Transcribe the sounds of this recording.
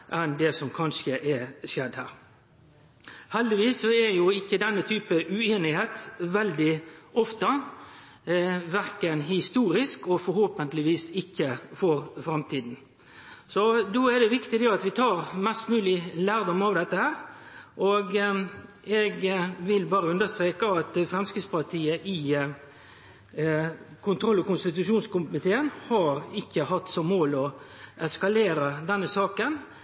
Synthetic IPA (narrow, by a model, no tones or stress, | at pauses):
ʔɛnd̪ɛsɔmkʰɑnʂəʔɛʂjɛd̪hæ̰ːɾ | hɛld̪ɪʋiːsːɔɛjʊɪçːəd̪ɛnːət̪ʰyːpəʔʉeːnɪheːt̪ʋɛld̪ɪɔft̪ə | ʋæʁkənhɪst̪uːɾɪskɔfɔɾhoːpənt̪lɪʋiːsɪçːəfɔɾfɾɑmt̪ʰiːd̪n̩ | sɔd̪oːɛd̪ɛʋɪkt̪ɪd̪ɛɑt̪ʋɪt̪ʰɑːɾmɛst̪mʉːlɪlæːɾd̪ɔmɑʋd̪ɛt̪ːəhæːɾʔɔɡ | ɛɡʋɪlbɑːɾəʉnd̪əst̪ɾeːkəɑt̪fɾɛmskɾɪspɑʁt̪ʰiːəʔɪ | kʰʊnt̪ʰɾɔlːɔkʊnst̪ɪt̪ʉʂuːnskʊmɪt̪ʰeːənhɑɾɪçːəhɑt̪ːsɔmoːlɔʔɛskɑleːɾəd̪ɛnːəsɑːkən